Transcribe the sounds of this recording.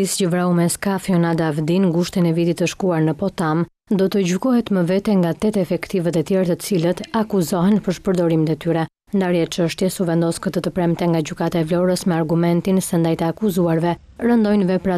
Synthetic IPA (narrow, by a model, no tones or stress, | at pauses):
iscəvɾaumɛskafiɔnad̪avd̪inɡuʃt̪ɛnɛvit̪it̪əʃkuaɾnəpɔt̪am | d̪ɔt̪əɟukɔɦɛt̪məvɛt̪ɛŋɡat̪ɛt̪ɛfɛkt̪ivət̪ət̪jɛɾt̪ət͡silət̪akuzɔɦɛnpəɾʃpəɾd̪ɔɾimt̪ɛt̪yɾɛ | nd̪aɾjɛt͡ʃəʃt̪jɛsuvɛnd̪ɔskət̪ət̪əpɾɛmt̪ɛŋɡaɟukat̪aɛvlɔɾəsmɛaɾɡumɛnt̪insɛnd̪ajt̪əakuzuaɾvɛ | ɾənd̪ɔjnvɛpɾa